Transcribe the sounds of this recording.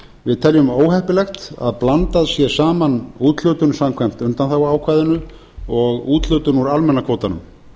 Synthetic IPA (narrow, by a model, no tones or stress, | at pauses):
vɪðt̪ʰɛljʏmoːwhɛhpɪlɛxt̪a̰ðplant̪aðsjɛ̥saːmanuːt̪lœːɥt̪ʏnsamkʰvɛjm̥t̪ʏnt̪anθawaːwkʰvaːjðʏnʏ | ɔɣuːt̪lœɥt̪ʏnuɾalmɛnːakʰvoːwt̪anʏ̰m